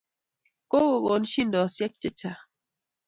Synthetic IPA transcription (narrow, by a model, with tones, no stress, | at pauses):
ko˦ɣo˨ɣo˨n˦ʃi˦ndɔ˨sjɛ˦k̚t͡ʃe˦t͡ʃa˨